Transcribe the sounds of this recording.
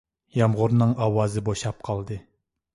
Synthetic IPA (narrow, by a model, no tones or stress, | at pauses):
jɑmʁʊɾnɨŋʔɑwɑːzɨboʃɑp̚qʰɑlˠd̪ɨ